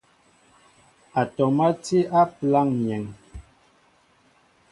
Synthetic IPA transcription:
a˨tɔ˨ma˦ti˦ʔa˦pla˦˨ŋɲɛ˨ŋ

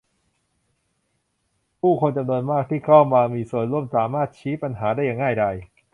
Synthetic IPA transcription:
pʰuː˥˩kʰo˧nt͡ɕa˧mnu˧ənmaː˥˩k̚t̪ʰiː˥˩kʰa˥˩wmaː˧miː˧su˨˩ənɾu˥˩əmsaː˩˦maː˥˩t̪̚t͡ɕʰiː˦˥pa˧nɦaː˩˦daː˥˩jːaː˧ŋa˥˩jda˧j

